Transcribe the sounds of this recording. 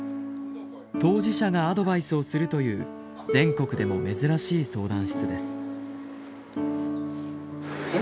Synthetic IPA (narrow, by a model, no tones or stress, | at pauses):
t̪o̞ːʑiɕaɡaːd̪o̞baisɨo̞sɨɾɯ̟t̪o̞jɯ̟̰ː | d͡zẽ̞ŋko̞kɯ̟d̪e̞mo̞me̞zɨɾaɕiːso̞ːd̪ãɰ̃ɕi̥t͡sɨd̪e̞sɨ̥